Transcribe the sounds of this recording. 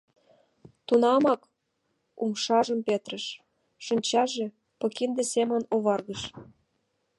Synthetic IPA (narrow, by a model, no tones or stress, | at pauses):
t̪unɑmɑk | umʃɑʒəmpet̪rəʃ | ʃənʲt͡ɕɑʒe | pɤ̆kind̪esemə̆noβɑrɣəʃ